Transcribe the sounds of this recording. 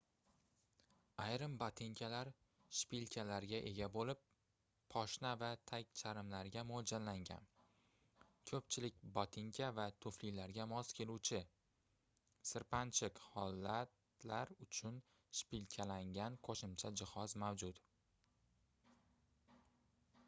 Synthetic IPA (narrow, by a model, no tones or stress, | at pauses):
ajɾɪmbat̪ʰɪŋkʲʰalaɾ | ʃpilkʲʰalaɾɡʲaʔe̞ɡʲabolɪpʰː | ɒʃnavat̪ʰak̚ʲt͡ʃʰaɾɪmlaɾɡʲamod͡ʒanlaŋʲa̰n | kʰɵpt͡ʃʰɪlɪk̚ʲbat̪ʰɪŋkʲʰavat̪ʰɵflilaɾɡʲamɒskʲʰe̞lut͡ʃʰɪ | sɪɾpʰant͡ʃʰɪkhɒlːat̪ | laɾʊt͡ʃʰʊn | ʃpilkʲʰalaŋɡʲanqʰoʃɪmt͡ʃʰad͡ʒɪhɒzmawd͡ʒʊt̪